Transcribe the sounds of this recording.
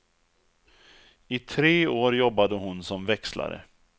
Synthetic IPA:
ɪt̪ʰɾeːoːɾjɔbːad̪əɦʊnsɔmvɛksla̰ɾə̰

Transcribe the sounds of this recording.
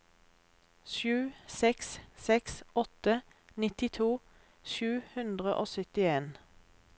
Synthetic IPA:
ʃʉːsɛkssɛksɔt̪ə | nɪt̪ɪt̪ʰuː | ʃʉːhʉnd̪ʁəʔoːsʏt̪ɪeːn

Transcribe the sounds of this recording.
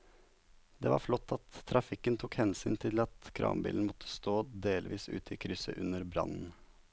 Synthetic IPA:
d̪eːʋɑ̰ːɾflɔt̪ːɑt̪ʰːɾɑfɪkənt̪ʰʊkhɛnsyːnt̪ʰɪlɑt̪kʰɾʔɑ̰ːmbḭːln̩mɔt̪ʰːə̥st̪oːd̪eːlʋiːsʉ̰ːt̪əiːkʰɾʏsə̰ʔʉnəɾbɾɑ̰nn̩

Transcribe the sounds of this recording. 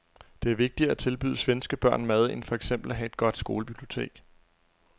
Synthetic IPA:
d̥e̝æɐʋe̝ɡ̥̚d̥iɐæt͡sʰe̝lb̥y̰ːð̞ˠsʋensɡ̥əb̥ɶɐ̰nmæð̞ˠenfɒ̽eɡ̥sem̰b̥l̩æɦæe̝d̥ɡ̥ɒ̽d̥sɡ̥o̝ːləb̥ib̥lio̝t͡sʰe̝̰ːɡ̥

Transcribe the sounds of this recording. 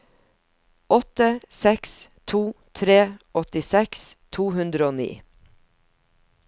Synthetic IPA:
ʔɔt̪əsɛkst̪ʰuːt̪ʰɾeːʔɔt̪ɪsɛkst̪ʰuːhʉnd̪ɾəoːnḭː

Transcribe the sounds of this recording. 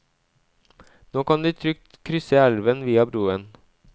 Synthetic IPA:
noːkɑnd̪iːt̪ʰɾʏk̚t̪kʰɾʏsəælʋənʋiːɑbɾuːən

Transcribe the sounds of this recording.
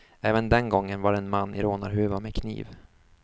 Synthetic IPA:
ɛːvənd̪ɛnɡɔŋːənvaɾɛnmanːɪɾoːnaɾɦʉːvamɛkʰnḭːv

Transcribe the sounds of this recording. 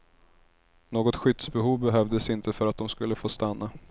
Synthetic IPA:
noːɡɔt̪ɧʏt̪sbɛɦuːvbɛɦœvd̪əsɪnt̪ʰəfœɾat̪̚d̪ɔmskɵlːəfoːst̪anːa

